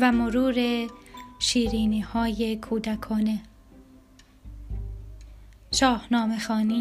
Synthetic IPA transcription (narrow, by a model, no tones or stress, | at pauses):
væmoɾuːɾeʃiːɾiːniːhɒːje̞kʰuːd̪ækʰɒːne̞ | ʃɒːhnɒːme̞xɒːniː